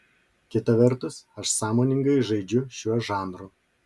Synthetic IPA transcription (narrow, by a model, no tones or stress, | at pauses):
kʲɪt̪ɐʋʲɛɾt̪ʊsɐʃsɑːmoːnʲɪŋɡɐɪʒɐɪd͡ʒʲʊʃʲuɔʒɑːnɾʊː